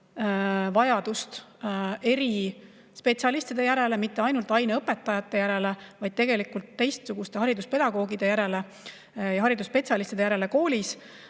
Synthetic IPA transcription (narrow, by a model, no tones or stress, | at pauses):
vɑjɑd̪̥ust̪ | e̞ɾi | spe̞t̪siɑlist̪id̪̥e̞jæɾe̞le̞mit̪ːe̞ɑjnult̪ˑɑjneɤpːe̞t̪ːˑɑjɑt̪ːe̞jæɾe̞levɑjd̪̥̚t̪e̞ɡe̞likult̪ːe̞jst̪suɡ̥ust̪e̞hɑɾid̪uspe̞d̪̥ɑɡo̞ːɡid̪̥e̞jæɾe̞le | jɑɦɑɾid̪uspe̞t̪ʲsʲjɑlist̪id̪ejæɾe̞le̞ko̞ːlis